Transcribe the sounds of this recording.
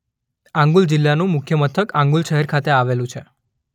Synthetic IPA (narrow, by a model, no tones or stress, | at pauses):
ãŋɡuld͡ʒɪlːanũmʊkʰjəmət̪ʰəkãŋɡulʃəɦɛɾkʰat̪eaʋelũt͡ʃʰe